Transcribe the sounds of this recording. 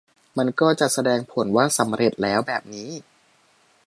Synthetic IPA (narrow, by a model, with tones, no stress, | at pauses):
ma˧nkɔː˥˩t͡ɕa˨˩ʔsa˧dɛː˧ŋpʰo˩˦nwaː˥˩sa˩˦mɾe˨˩t̪̚lɛː˦˥wbɛː˨˩p̚niː˦˥